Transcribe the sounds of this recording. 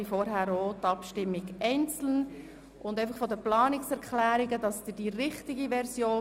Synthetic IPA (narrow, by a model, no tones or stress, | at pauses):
ifɔɾɦæːɾotɑpʃtɪmːɪɡɛɪnt͡sl̩n | ʔʊndɛɪfəχfɔdəplɑːnɪksɛɾkχlæːɾɪɡədɑsd̥̪ɪd̥iɾɪχtɪɡiʋɛɾsjoː